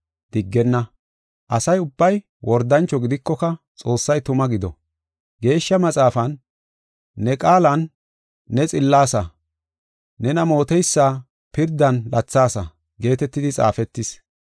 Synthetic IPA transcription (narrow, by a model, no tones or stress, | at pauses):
d̪̥ɪɡːɛnːɐ | ʔɐsɐjʊbːɐj | wʔɔɾd̪ɐnt͡ʃːɔɡɪd̪ɪkːɔkɐ | t͡sʼo̞ːsːɐjt̪ʊmɐɡɪd̪ɔ̰ | ɡe̞ːʃːɐmɐt͡sʼaːfɐnː | ɛkʼaːlɐnː | ɛt͡sʼɪlːaːsɐ | nɛnɐmo̞ːt̪ɛjsːaː | pɪɾd̪ːɐnlʔɐt͡sːaːsɐ̰ | ɡe̞ːt̪ɛt̪ːɪd̪ɪt͡sʼa̰ːfɛt̪ːɪs